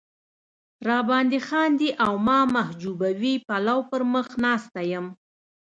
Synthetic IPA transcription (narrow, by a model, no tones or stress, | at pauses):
ɾɑbɑnd̪ixɑnd̪iʔawmɑmahd͡ʒubawipalawpəɾməxnɑst̪ajəm